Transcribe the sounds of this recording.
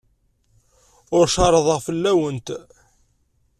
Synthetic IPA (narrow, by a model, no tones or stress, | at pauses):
ʊɾʃɑɾˤəðˤəʁfəlːæwənt̪